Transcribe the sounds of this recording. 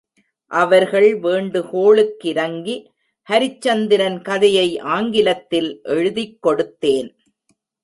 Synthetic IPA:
ʔɐʋɐɾɣɐɭʋeːɳɖɯkoːɭɯkːɪɾɐŋɡi | hɐɾɪt͡ʃːɐnd̪ɪɾɐnkɐðɐjɐɪʔaːŋɡɪlɐt̪ːɪlʔɛɻɯðɪkːɔɽɯt̪ːeːn

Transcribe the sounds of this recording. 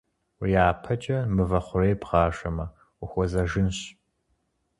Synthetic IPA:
wjaːpʰɐt͡ʃʼɐmɨvɐχʷʊreːpʁɑːʃɐmɐ | ʊxʷɔzɐʒɪnɕ

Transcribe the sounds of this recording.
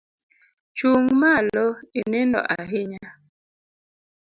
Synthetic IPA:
t͡ʃuŋmalɔenendɔ̰ʔaɦeɲa

